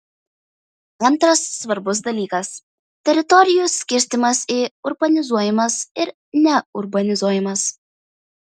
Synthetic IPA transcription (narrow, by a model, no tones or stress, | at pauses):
ɐnˑt̪ɾɐsːʋɐɾbʊs̬d̪ɐlʲiːkɐs | t̪ʲɛɾʲɪt̪ɔɾʲɪjusʲkʲɪɾʲst̪ʲɪmɐsiːʊɾbɐnʲɪzuɔjɪmɐsɪɾ | nʲɛʊɾbɐnʲɪzuɔjɪmɐs